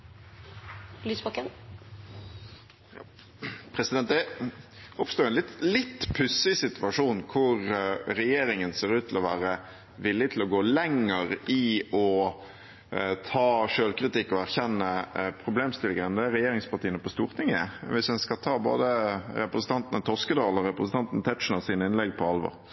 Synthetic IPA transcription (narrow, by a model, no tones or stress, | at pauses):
lyːsbɑkən | pʰɾɛsɪd̪ɛnt̪d̪ɛ | ɔpst̪oːɛnlɪt̪lɪt̪ːpʰʉsɪsɪt̪ʉʋɑʂuːnkʰʊɾɾɛjeːɾɪŋənseːɾʉːt̪ʰːɪlɔʋæːɾə | ʋɪlːɪt̪ʰɪlɔɡoːlɛŋəɾɪɔ | t̪ʰɑːʂøːlkɾɪt̪ɪkːɔæɾçɛnːəpʰɾʊbleːmst̪ɪlɪɡəɾənd̪ɛæɾɛjeːɾɪŋspʰɑt̪iːənəpɔst̪uːʁt̪ʰɪŋɛʋɪsdɛnskɑt̪ʰɑːbo̰ːd̪əɾɛpɾəsən̩t̪ɑnt̪nət̪ʰɔskəd̪ɑːlɔɾɛpɾəsən̩t̪ɑnt̪n̩t̪ʰɛt̪ʂn̩əsiːnəɪnlɛɡpʰɔɑlʋɔ̰ɾ